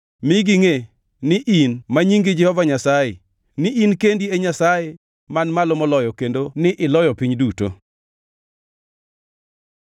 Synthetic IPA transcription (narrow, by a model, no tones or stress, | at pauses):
mɪɡɪŋe | nɪʔinmaɲiŋɡid͡ʒɛhɔvaɲasaje | nɪʔinkendieɲasaje | manmalomɔlɔjɔkendonɪʔɪlɔjɔpiɲduto̰